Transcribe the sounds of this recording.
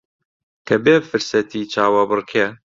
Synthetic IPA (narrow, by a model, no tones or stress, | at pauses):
kʰɐbeːbfɨɾsɛt̪ʰiːt͡ʃʰaːwabɨrkʰe